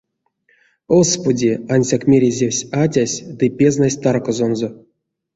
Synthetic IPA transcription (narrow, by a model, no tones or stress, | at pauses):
ospudʲianʲsʲakmʲeɾʲezʲewsʲatʲasʲd̪ɨpʲeznasʲt̪arkozonzo